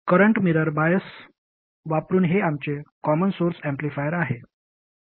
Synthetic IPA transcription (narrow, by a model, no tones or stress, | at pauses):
kəɾəɳʈmiɾəɾbajəs | ʋapɾuːnɦeamt͡ɕekɔmənsoɾsɛmplifajəɾaɦe